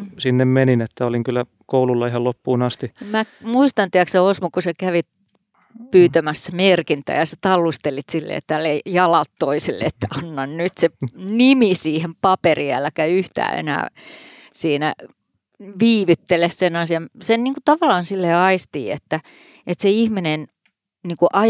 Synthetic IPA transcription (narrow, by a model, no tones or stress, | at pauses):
sinːemmeninet̪ːæoliŋkylːˑæ | koululːɑihɑlopːuːnɑst̪imæmuist̪ɑnt̪iækseosmukusekæʋit̪ | pyːt̪æmæsːæmerkint̪æ̰jɑset̪ɑlːust̪elit̪silːḛːt̪ːæælːejɑlɑt̪toiselːḛet̪ːæɑnːɑnnyt̪senimisiːhempɑperiæ̰lːækæiyht̪æ̰ːḛnæ̰ː | siːnæ̰ | ʋiːʋyt̪ːelessenɑsiɑmsenniːŋkut̪ɑʋɑlːˑɑːnsilːeɑist̪ḭːḛt̪ːæ | et̪seihminen | niːŋkuʔɑ